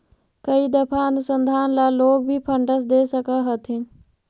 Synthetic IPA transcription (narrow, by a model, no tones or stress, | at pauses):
kəid̪əpʰaənʊsə̃nd̪ʱaːnlaloːɡ̚bʱipʰəɳɖəsd̪eːsəkaɦət̪ɪn